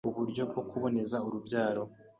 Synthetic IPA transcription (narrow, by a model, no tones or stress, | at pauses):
uβuɾɟo̞b̚ɡo̞kuβo̞ne̞zauɾubɟaːɾo̞